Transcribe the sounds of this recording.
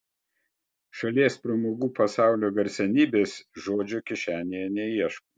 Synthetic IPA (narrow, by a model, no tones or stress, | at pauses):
ʃɐlʲiɛspʲɾɐmoːɡuːpɐsɑˑʊlʲoːɡɐɾʲsʲɛnʲiːbʲeːsʒoːd͡ʒʲʊkʲɪʃʲæːnʲejɛnʲɛiɛʃkoː